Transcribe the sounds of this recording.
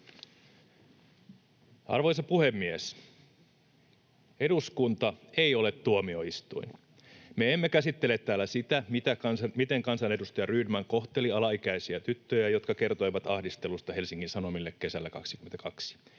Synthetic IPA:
ɑ̰rʋojsɑpuhemːies | eduskunt̪ɑe̞io̞let̪tuomioist̪ṵin | meemːekæsit̪ːelet̪tːæːlːˑæsit̪æmit̪ækɑnsɑmit̪eŋkɑnsɑnedust̪ɑjɑryːdmæŋko̞ht̪eliɑlɑikæisiæt̪yt̪ːøjæjot̪kɑke̞rt̪o̞jʋɑt̪ɑhdist̪e̞lust̪ɑhe̞lsiŋkːinsɑnomilːekkːe̞sælːækɑ̰ksikymet̪ækʰɑksi̥

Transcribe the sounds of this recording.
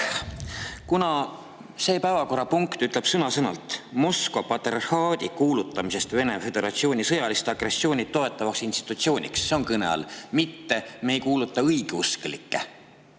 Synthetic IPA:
kunɑ | se̞ːpæːvɑko̞ɾːɑpuŋkt̪yt̪ːˑle̞b̥sɤnɑsɤnɑlt̪ˑmo̞skvopɑt̪erhɑːd̪̥ikuːlut̪ːˑɑmise̞st̪ve̞ne̞fe̞d̪̥e̞ɾɑt̪sio̞ːnʲisɤjɑlist̪ɑɡ̥re̞so̞ːnʲit̪ːo̞e̞t̪ːˑɑvɑksinst̪i̥t̪ːˑut̪sio̞ːnʲḭksːe̞o̞ŋkɤne̞̰ɑ̰lmit̪ːe̞me̞jkuːlut̪ːˑɑɤjɡ̥euskelikːe

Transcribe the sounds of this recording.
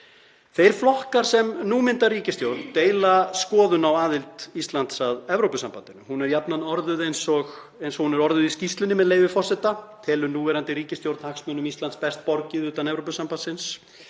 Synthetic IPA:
θejɾ̥flɔhkaɾ̥sɛmnuːmɪnt̪aɾiːcɪst̪jowɾt̪t̪eːjlaskɔːðʏnawaːðɪlt̪ist̪lant̪saðɛvɾowpʏsampant̪ɪnʏhunɛɾjapnanɔɾðʏðejnsɔɣ | ejnsɔɣhunɛɾɔɾðʏðiscist̪lɪnɪmɛðleːjvɪfɔrsɛt̪at̪ʰɛːlʏɾnuːvɛɾant̪ɪɾiːcɪst̪jowɾd̪haksmœnʏmist̪lant̪spɛst̪̚pɔɾcɪðʏːt̪anɛvɾowpʏsampansɪns

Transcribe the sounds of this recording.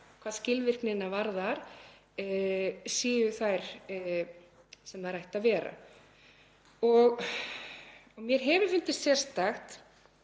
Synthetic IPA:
kʰvaːðscɪlvɪr̥knɪnːavaɾðaɾ̥ | siːjʏθajɾ̥ | sɛmaɾajht̪aðvɛːɾa̰ | ɔɣ | ɔɣmjɛɾ̥ɦɛvʏfʏnt̪ɪst̪sjɛr̥st̪axt̪

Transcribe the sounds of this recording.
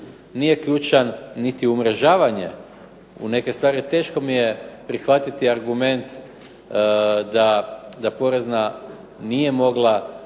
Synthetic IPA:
nije̞kʎuːt͡ʃanːit̪iumɾeʒaːʋaɲe̞̰ | ṵne̞ke̞st̪ʋaːɾit̪e̞ːʃko̞mijepɾixʋat̪it̪iaɾɡume̞nt̪ | d̪ad̪apo̞ɾe̞zna | nije̞mo̞ɡlˠa

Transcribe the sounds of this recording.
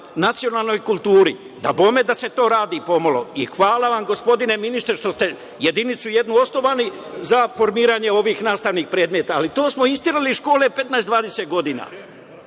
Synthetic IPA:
nat̪sijo̞nalˠno̞jkulˠt̪uːɾi | d̪abo̞ːme̞d̪ase̞t̪o̞ːɾaːd̪iːpo̞molo̞̰ixʋaːlaʋamɡo̞spo̞d̪ine̞minist̪ɾeʃt̪o̞st̪e̞ | jed̪init̪suje̞d̪nuo̞snoʋaːni | zafo̞ɾmiːɾaːɲe̞o̞ʋiːxnaːst̪aʋniːxpɾe̞ːd̪met̪aːlit̪o̞ːsmo̞ist̪iɾaliʃko̞ːle̞pe̞t̪naezd̪ʋaːd̪e̞set̪̚ɡo̞d̪iːna̰ː

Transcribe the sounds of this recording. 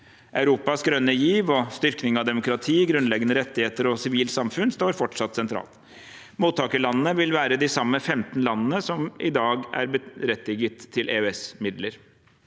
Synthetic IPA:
ʔɑʉɾuːpɑsɡɾœnːəjiːʋɔst̪ʏɾknɪŋɑʋd̪ɛmʊkɾɑt̪ʰiːɡɾʉnlɛɡənəɾɛt̪ːɪheːt̪əɾɔsɪʋiːlt̪sɑmfʉnst̪oːɾfɔʈʂɑt̪ːsɛnt̪ʰɾɑ̰ːlt̪ | muːt̪ʰːɑːkəlɑnənəʋɪlʋæːɾəd̪ɪsɑmːəfɛmt̪n̩lɑnːənəsɔmʔɪd̪ɑːɡæ̰ɾbəɾɛt̪lɪɡət̪ʰːɪlʔeːʉɛsmɪd̪ləɾ

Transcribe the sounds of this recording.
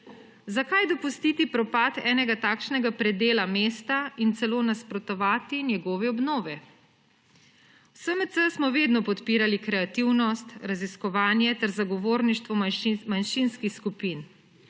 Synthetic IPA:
zakajd̪ɔpust̪it̪ipɾɔpaːt̪ɛːnɛɡat̪aːkʃnɛɡapɾɛd̪eːlameːst̪aint̪sɛloːnaspɾɔt̪ɔʋaːt̪injɛɡɔːʋɛɔbnɔːʋɛ | wsəməsəsmɔʋeːd̪nɔpɔt̪piːɾalikɾɛat̪iwnɔst̪ɾaziskɔʋaːnjɛt̪ɛɾzaɡɔʋoːɾniʃt̪ʋɔmanʃinskixskupin

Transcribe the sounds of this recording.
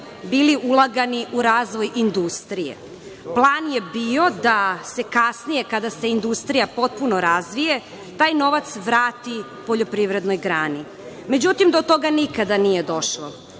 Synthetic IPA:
biːliʔulˠaɡaniʔuɾaːzʋo̞jʔind̪ust̪ɾijḛ | plˠaːnje̞bio̞d̪ase̞kasnije̞kad̪ase̞ind̪ust̪ɾijapo̞t̪̚punoɾazʋije | t̪aːjno̞ʋat̪sʋɾaːt̪i | po̞ʎopɾiʋɾe̞d̪nojɡɾaːni | me̞d͡ʑut̪imd̪o̞t̪o̞ɡanikad̪anije̞d̪o̞ʃlˠo

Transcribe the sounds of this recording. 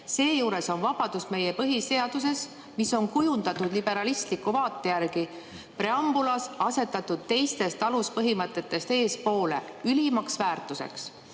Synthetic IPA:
se̞ːjuːɾe̞so̞nvɑb̥ɑd̪̥usme̞jepɤɦise̞ɑd̪̥use̞s | miso̞nkujund̪ɑt̪ːˑud̪̥lib̥e̞ɾɑlist̪likːuvɑːt̪ːˑe̞jærɡ̥i | pɾe̞ɑmb̥ulɑsɑse̞t̪ːˑɑt̪ːˑud̪̥̚t̪e̞jst̪e̞st̪ɑluspɤɦimɤt̪ːˑe̞t̪ːˑe̞st̪e̞ːspo̞ːle̞̰ylimɑksvæːrt̪ˑuse̞̰ks

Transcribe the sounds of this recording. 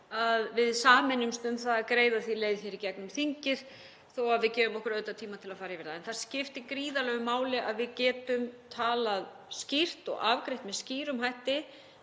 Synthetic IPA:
aðvɪðsaːmɛnʏmst̪ʏnt̪θaðakɾeːjðaθvileːjðçɛɾicɛknʏmθiɲcɪɾ̥ | θowaðvɪðcɛːðʏmɔhkʏɾœɥt̪at̪ʰiːmat̪ʰɪlaðfaːɾjɪvɛɾðaɛnθaɾ̥scɪft̪ɪkɾiːðalɛːɣʏmaːwlɪʔa̰ðvɪðcɛːt̪ʏmt̪ʰaːlað | scir̥t̪ɔ̰ɣavkɾejht̪mɛðsciːɾʏmɦajht̪ɪ

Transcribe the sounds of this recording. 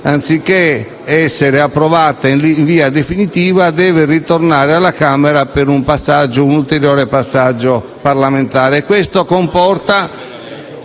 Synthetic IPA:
ant̪sikːe | ɛsːeɾeapːɾovat̪ainɱviːad̪efinit̪iːvad̪ɛːvɪrit̪ornaːɾealːakaːmɛɾapeɾumpasːad͡ʒːounult̪eɾjɔːɾepasːad͡ʒːo | parlament̪aːɾeːkwest̪okompɔrt̪a

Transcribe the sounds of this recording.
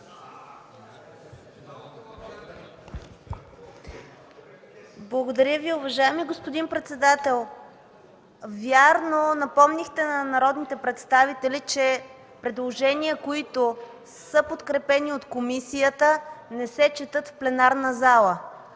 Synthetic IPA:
blˠɐɡod̪ɐɾʲjəviʊvɐʒaɛmiɡospʊd̪inpɾɛt̪sɛd̪at̪ɛlˠ | vʲjaɾnonɐpɔmnixt̪ɛnɐnɐɾɔd̪nit̪ɛpɾɛt̪st̪avit̪ɛlit͡ʃɛ | pɾɛd̪lˠoʒɛniəkoit̪o | sɤpot̪kɾɛpɛniot̪komisijət̪ənɛsɛt͡ʃɛt̪ɤt̪fplɛnaɾnəzalˠə

